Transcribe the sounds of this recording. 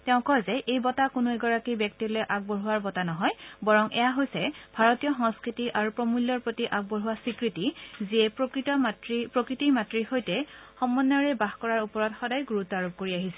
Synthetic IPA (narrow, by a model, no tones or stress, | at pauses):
tɛʊ̃kɔzɛʔejbɔtakʊnʊɛɡɔɹakibjɛk̚tilɔjʔaɡ̚bɔɹuaɹbɔtanɔɦɔjbɔɹɔŋʔɛ̰jaɦojsɛbʱaɹɔtijɔxɔ̃ŋskɹitiʔaɹupɹɔmulːɔɹpɹotiʔak̚bɔɹuwasikɹitiziɛpkɹitɔatɹipɹokɹitimatɹihojtɛxɔmːɔnjɔɹɛbaxkɔɹaɹupɔɹɔtxɔdajɡuɹutaɹup̚koɹiaɦisɛ